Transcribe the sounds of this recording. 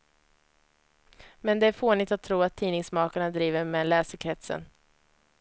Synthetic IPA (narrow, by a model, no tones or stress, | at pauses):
mɛnd̪ɛæɾfoːnɪt̪at̪ʰːɾuːat̪ʰːiːnɪŋsmɑːkaɳad̪ɾiːvəɾmɛlɛːsəkʰɾɛt̪sə̰n